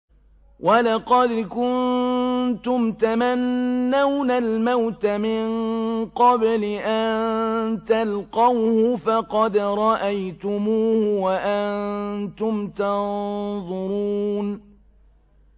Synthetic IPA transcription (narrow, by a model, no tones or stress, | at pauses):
wʔalɑqɑd̪kʊn | t̪ʊmt̪amanːawnalmawt̪amɪɴqɑblɪʔannt̪alqɑwhʊfɑqɑd̪ɾˤɑʔajt̪ʊmuːhʊwaʔannt̪ʊmt̪ɑnðˤʊɾuːn